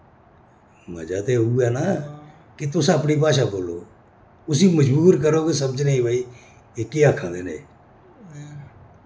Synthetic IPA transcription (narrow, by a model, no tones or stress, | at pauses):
ma̰ːd͡ʒaːt̪euuːɛːnaː | kit̪ʊsãːəpniːp̬aːʃaːkoːlo̰ː | ʊs̬iːməd͡ʒbuːɾk̬əɾoːkesəməd͡ʒneːĩbaːiː | eːkiːaːkʰaːd̪eːnḛː